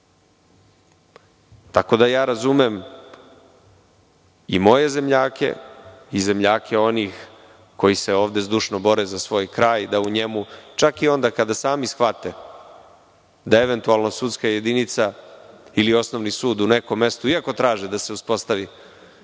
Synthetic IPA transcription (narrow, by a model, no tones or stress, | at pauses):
t̪ako̞d̪ajaːɾazumem | imo̞je̞ze̞mʎaːke̞̰ize̞mʎaːkʰe̞o̞niːx | ko̞jise̞o̞ːʋd̪e̞zd̪uʃno̞bo̞ɾezasʋo̞ːjkɾaːjd̪auɲemut͡ʃakio̞nd̪akad̪asaːmisxʋat̪e | d̪ae̞ʋe̞nt̪ualˠnosut̪skaje̞d̪init̪sa | ilio̞sno̞ʋnisuːd̪une̞ko̞mːe̞st̪uiako̞t̪ɾaːʒed̪ase̞uspo̞st̪aʋi